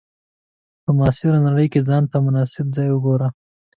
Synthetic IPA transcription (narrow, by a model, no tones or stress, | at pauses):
pəmɑsɪɾanaɽəjked͡zɑnt̪amʊnɑsɪb̚zɑjwəɡoɾa